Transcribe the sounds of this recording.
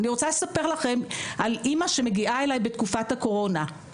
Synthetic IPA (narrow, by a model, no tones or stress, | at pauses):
niʁo̞t͡sale̞sape̞ʁlaχe̞mʔalʔimaʃe̞me̞ɡiʔae̞lajbe̞tkufathako̞ʁo̞na